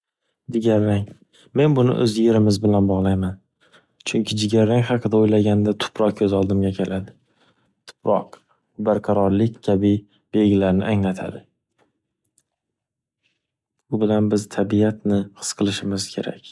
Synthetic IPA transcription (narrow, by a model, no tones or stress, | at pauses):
d͡ʒɪɡʲaɾːaŋ | me̞nbʊnɪ̰ʔɵzje̞ɾɪmɪzbɪlanbɒʁlˠajman | t͡ʃʰʊŋkʲʰɪd͡ʒɪɡʲaɾːaŋχɑqʰɨd̪aojlaɡʲand̪at̪ʰʊ̥pɾɒq̚kʰɵzɒlˠd̪ɪmɡʲakʲʰe̞lʔad̪ɪ | t̪ʰʊ̥pɾɒq | ʊbaɾqʰɑɾɒɾlɪkʲkʲʰabɪ | b̥e̞lɡʲɪlaɾnɪ̰ʔaŋlat̪ʰa̰d̪ɪ | ʊbɪlanbɪzt̪ʰabijat̪nɪχɨ̥sqʰɨlˠɪʃɪmɪz̥kʲʰe̞ɾa̰kʲ